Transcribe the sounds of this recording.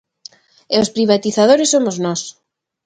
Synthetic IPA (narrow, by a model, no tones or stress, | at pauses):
eospɾiβ̞at̪iθaðoɾesːomoznɔs